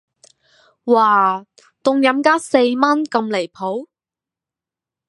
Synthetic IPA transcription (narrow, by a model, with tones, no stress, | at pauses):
waː˨˩ | t̪ʊ˧ŋjɐ˨˥mkaː˥se˧jmɐ˥nkɐ˧mle˨˩jpʰo˨˥w